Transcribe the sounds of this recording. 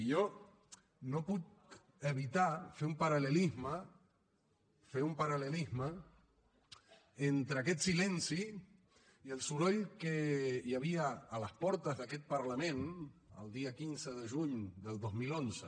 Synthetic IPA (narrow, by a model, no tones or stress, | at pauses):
ijɔ | nopuk̪ | əβit̪afeumpəɾaləlizmə | feumpaɾaləlizmə | ent̪ɾəakɛt̪silɛnsiː | əlˠsuɾɔjkəjaβ̞iəːləspɔɾt̪əzðəkɛt̪̚pəɾləmẽnə̰lˠd̪iəkinzəðəʒuɲd̪əlˠd̪ozmilonzə